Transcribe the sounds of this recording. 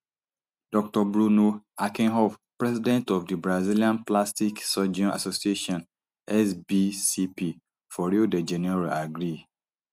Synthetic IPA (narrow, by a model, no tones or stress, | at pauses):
d̥ɔk̚tɔbɹunoakĩnɦɔfpɹɛzidɛ̃ntɔfdibɹaziliãnplastiksɔd͡ʒɔ̃na̰sosieʃɔ̃n | ɛsbisipi | fɔɹidəd͡ʒɛnɛɹaaɡɹi